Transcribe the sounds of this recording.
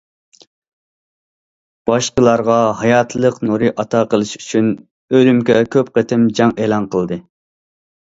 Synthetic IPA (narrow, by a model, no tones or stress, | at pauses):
b̥ɑʃqəlˠɑɾʁɑɦɑjɑt̪ʰlˠəqnuɾɨʔɑt̪ʰɑqʰəlˠɨʃy̥t͡ʃʰyn | ølymkʲɛkʲʰøp̚qət̪ʰɪmd͡ʒɑŋeːlˠɑnqʰəlˠd̪ɨ